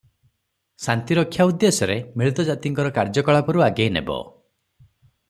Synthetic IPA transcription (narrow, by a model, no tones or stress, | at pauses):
sant̪iɾɔkʰːjaud̪ːesɔɾemiɭut̪ɔd͡ʒat̪iŋkɔɾɔkaɾd͡ʒɔkɔɭapɔɾuaɡejnḛbɔ̰